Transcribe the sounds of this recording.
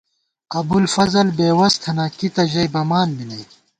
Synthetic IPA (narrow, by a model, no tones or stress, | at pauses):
ɐbulfɐzɐlbeːwɐst̪ʰɐnakit̪ɐʑɐjbɐmaːnbinɐj